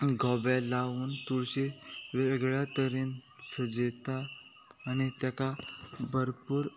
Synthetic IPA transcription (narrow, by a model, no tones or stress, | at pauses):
ɡʱɔbalauːnt̪uɽɕeʋeɡɭjat̪əɾiːnsəd͡ʑet̪aː | ñit̪jakabəɾpuːɾ